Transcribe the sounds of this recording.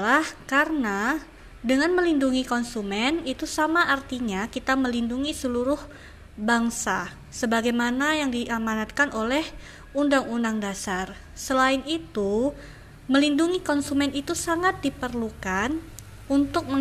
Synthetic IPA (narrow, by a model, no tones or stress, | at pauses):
lahkarəna | dəŋanməlinduŋikɔnsumɛnit̪usamaʔːrt̪iɲakit̪aməlinduŋisəluɾʊh | baŋsa | səbaɡajmanajaŋdiʔamanat̪̚kanʔolɛh | undaŋunaŋdasar | səlaɪnit̪u | məlinduŋikɔnsumɛnit̪usaŋat̪̚dipərlukan | unt̪ʊk̚mə